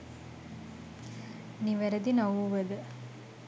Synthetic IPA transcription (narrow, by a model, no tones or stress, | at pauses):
niʋæɾəd̪inawuʋəd̪ə